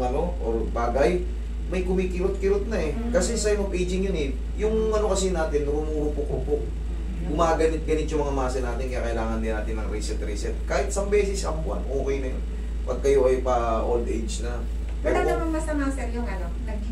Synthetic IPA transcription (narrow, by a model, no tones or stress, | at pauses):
ʔɐno̞ʔoɹbaːɡɐj | mɐjkʊmiːkɪɾʊt̪̚kɪɾʊt̪̚nɐʔɛ | kɐsɛsɐjʊŋɐpʔejd͡ʒɪŋjʊnɪt̪̚ | jʊŋmɐno̞kɐsɪnaːt̪ɪnɾʊmuːɾʊpʊkopok̚ | ɡʊmaːɡɐnɪt̪̚ɡɐnɪt̪̚jʊŋmɐŋamaːsɐnaːt̪ɪnkɪa̰ːkɐʔɪlaːŋɐnd̪ɪnaːt̪ɪnːɐŋɾisɛt̪ɾɛsɛt̪̚kaːhɪt̪̚sɐŋbɛːsɛsɐmpʊɐ̰nʔoːkɛjnɐj | pɐɡ̚kɐjoʔɐjpɐʔold̪ʔɛjd͡ʒnɐ | pɛɾaɡ̪ɐmɐŋmɐsɐmaːsɛɾjʊŋɐnonɐɡ̚